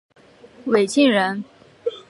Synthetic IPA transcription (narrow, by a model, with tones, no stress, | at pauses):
we˨˩ɪɕi˥˩ŋɻə˧˥n